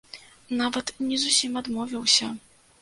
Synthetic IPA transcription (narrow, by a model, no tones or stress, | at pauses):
navɐt̪nʲɛzusʲimad̪mɔvʲiwsʲɐ